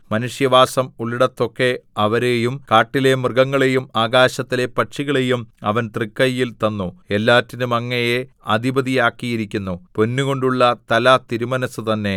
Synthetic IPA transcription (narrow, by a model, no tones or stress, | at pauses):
mɐnuʂjɐʋaːsɐmuɭiɽɐt̪ːo̞kːe̞ɐʋɐɾe̞jumkaːʈːile̞mrɨɡɐŋːɐɭe̞jumaːɡaːɕɐt̪ːile̞pɐʈʂiɣɐɭe̞jumɐʋɐnt̪rikːɐjːilt̪ɐnːue̞lːaːtːinumɐŋːɐjeɐd̪ʱibɐðijaːkːijiɾikʲːunːupo̞nːuɣo̞ɳɖuɭːɐt̪ɐlɐt̪iɾumɐnɐsɨt̪ɐnːe̞